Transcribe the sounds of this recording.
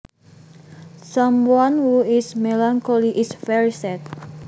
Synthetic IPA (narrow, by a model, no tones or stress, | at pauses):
samwanhuismelaŋkoliʔisfɛɹisɛt̪̚